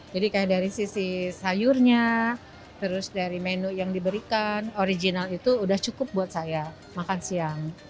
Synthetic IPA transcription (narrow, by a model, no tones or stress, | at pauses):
d͡ʒadikajadaɾisisisajʊrɲa | t̪əɾʊsdaɾimenʊʔjaŋdibəɾikanoɾid͡ʒinalit̪uːdaht͡ʃukʊp̚buat̪̚saja | makansiaŋ